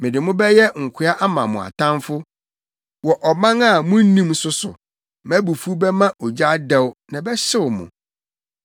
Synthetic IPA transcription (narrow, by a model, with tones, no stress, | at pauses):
mɪ̃˨dɪ˨mʊ̃˦bɛ˦jɛ˦ŋ̩˨kʷʰɪ˦a˦ʔa˦mã˨mʊ̃˨a̰˨tʰã˦nfʊ˦ | wɔ˨ʔɔ˨mã˦ŋa˦˨mʊ̃˦n̩˦nĩ˦msʊ˦sʊ̰˨ | mæ̃˦bu˨fu˦bɛ˦mã˦ʔɔ˨d͡ʑa˦dɛ˦wnã˨bɛ˦ɕɪ˦wmʊ̰̃˨